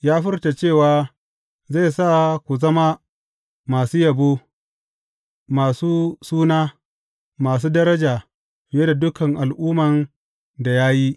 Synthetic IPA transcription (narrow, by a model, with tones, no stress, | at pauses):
jaː˦ɸɪ˦rta˨t͡ʃeː˦˨waː˨ | za˦˨saː˦˨kʷu˨zɐ˦ma˦ | maː˨suː˦jɐ˨boː˦ | maː˨suː˦suː˦naː˦ | maː˨s̬uː˦dɐ˦ɾɐ˦d͡ʒaː˨ | je˦da˨dʊ˦kɐ˨ŋʔa˨lʔuː˦mɐ˨n | da˨jaː˦ji˦ʔ